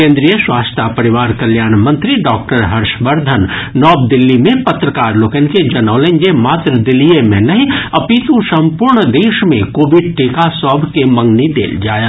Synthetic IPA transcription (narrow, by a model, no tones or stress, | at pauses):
kẽːnd̪ɾijəswaːst̪ʰapɐɾɪʋaːɾkɐljaːɽ̃mɐ̃nt̪ɾiɖɔːk̚ʈəɾɦɐɾʃbɐɾd̪ʱənːɔːb̚d̪ɪlːimẽpɐt̪ɾəkaːɾloːkenked͡ʒɐnɔːlẽnd͡ʒemaːt̪ɾəd̪ɪlːijemẽnɐɦĩɐpit̪ũsɐ̃mpuɾɳd̪eːʃmẽkoːbɪɖ̚ʈeːkasɔːbʱkemɐ̃ŋɡnid̪ḛːld͡ʒaːja